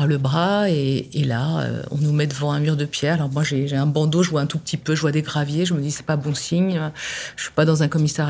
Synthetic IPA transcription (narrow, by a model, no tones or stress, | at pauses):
ləbʁaeelaø̰ɔ̰̃numɛd̪əvɑ̃ɛ̃myʁd̪əpjɛʁalɔʁmwaʒeʒeɛ̃bɑ̃d̪oʒəvwaɛ̃t̪upət̪ʰipøʒəvwad̪eɡʁavjeʒəməd̪isɛ̥pabɔ̃siɲøʒə̥sɥi̥pad̪ɑ̃zɛ̃kɔmisɛʁ